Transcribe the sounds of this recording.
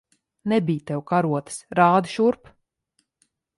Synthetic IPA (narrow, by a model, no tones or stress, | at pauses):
nɛbʲijt̪ɛwkaɾuɔt̪ɨ̥sɾaːd̪ɨʃuɾp